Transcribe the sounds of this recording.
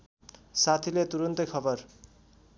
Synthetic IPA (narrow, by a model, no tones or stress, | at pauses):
sat̪ʰilet̪uɾʌnt̪ʌjkʰʌbʌr